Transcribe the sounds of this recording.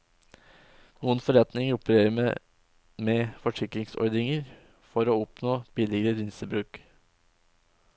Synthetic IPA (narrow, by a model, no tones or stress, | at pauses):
nuːənfɔɾɛt̪nɪŋəɾʊpəɾeːɾəm | mɛfɔʂɪkɾɪŋsɔ̰ɾd̪ɪŋəɾ | fɔɾoːɔpnoːb̥ɪlɪɡəɾəɾɪnsəbɾʉːk